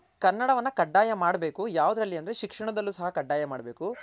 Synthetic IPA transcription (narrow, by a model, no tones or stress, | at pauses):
kɐɾnːɐɽɐʋɐnːɐkɐɖːaːjɐmaːɽbe̞ːkujaːʋud̪ɐɾɐlːiɐnd̪ɐɾeʃikʂɐɳɐd̪ɐlːusɐɦɐkɐɖːaːjɐmaːɽbe̞ːku